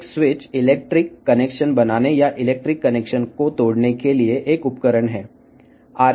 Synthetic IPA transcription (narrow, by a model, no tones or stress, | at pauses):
sʋɪt͡ʃɪleːk̚ʈɾɪkːəneːkʃənbɐnaːnejaʔɪleːk̚ʈɾɪkːəneːkʃənkot̪oːɽnekelieʔeːkʊpkəɾəɳɦɛː | aːɾ